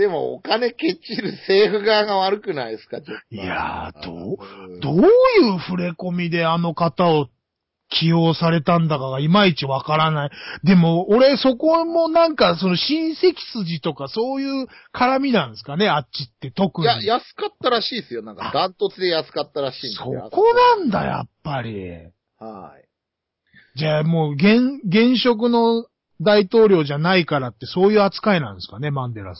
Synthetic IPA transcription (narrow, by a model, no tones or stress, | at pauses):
d̪̥e̞mo̰o̰kane̞ke̞t͡ɕiɾɯ̟se̞ːɸɯ̟ɡaːɡaβaɾɯ̟kɯ̟naisɨ̥kat͡ɕoija̰d̪̥od̪oːjɯ̟ːɸɯ̟ɾe̞ko̞mʲid̪e̞ano̞kat̪ao̞ | kʲʰijo̞ːsaɾe̞t̪ãnd̪akaɡaimait͡ɕiβakaɾanaid̪e̞mo̞ːɾe̞so̞ko̞mo̞nãŋkaso̞no̞ɕĩɰ̃se̞kʲi̥sɨʑit̪o̞kaso̞ːjɯ̟ː | kʰaɾamʲinãñsɨ̥kane̞aɕit̪ːe̞t̪o̞kɯ̟jɲajasɨ̥kat̪ːaɾaɕiːsɨjonãŋkad̪ãnt̪ot͡sɨd̪ejasɨ̥kat̪ːaɾaɕĩːnso̞ko̞nãnd̪a̰ja̰pːaɾʲḭ | hai | d͡ʑamo̞ːɡẽ̞ŋɡẽ̞ɰ̃ɕo̞k̬ɯ̟no̞ | d̪ait̪o̞ːɾʲo̞ːʑanaikaɾat̪ːe̞so̞ːjɯ̟ːat͡sɨ̥kaenã̰ñsɨ̥kane̞mãnd̪eɾa̰s